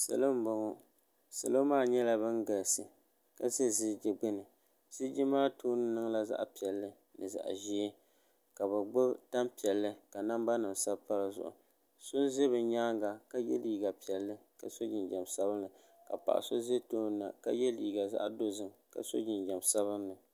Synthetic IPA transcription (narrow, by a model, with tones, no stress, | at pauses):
sa̰˨lo˦m̩˦bo˨ŋo˦ | sa˨lo˦maː˦˨ɲɛ˦la˨bɨ˦ŋɡa˨lsɨ˨ | ka˦ze˦zɪ˦d͡ʒɪ˨ɡ͡bɨ˦nɨ˨ | z̥i˦d͡ʒɪ˦maː˦toː˦nɨ˦nɨ˦ŋla˦za̰˦ʔpi˨ɛ˨lːɨ˦ | nɨ˨za̰˨ʔʒi˦e˦ | ka˨bɨ˨ɡ͡bo˦bta˦mpi˨ɛ˨lːɨ˦ka˨na˦mba˦nɨ˨msa˦bpa˦lɨ˨zʊ̰˨ʔʊ̰˨ | sʊ˦n˦ze˦bɨ˨ɲaː˦ŋɡa˨ka˦jɛ̰˦liː˦ɡa˨pi˨ɛ˨lːɨ˦ka˨so˦d͡ʒɪ˨nd͡ʒɛ˨msa˦bɨ˦nːɨ˨ | ka˨pa̰˨ʔa̰˨so˦ze˦toː˦n˦nːa̰˨ka˦jɛ˦liː˨ɡa˨za̰˦ʔdo˦zɨ˨ŋka̰˨so̰˦d͡ʒɪ˨nd͡ʒa˨msa˦βɨ˦nːɨ˨